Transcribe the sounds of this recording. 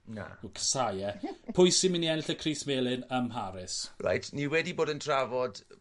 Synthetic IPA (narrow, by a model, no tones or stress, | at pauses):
na̰kʰə̥sajɛpʰʊjsɪminiɛnɪɬəkʰriːsmeːlˠɪnəmɦaɾɪsra̰jtʰniwɛdiboːdəntʰravɔd̥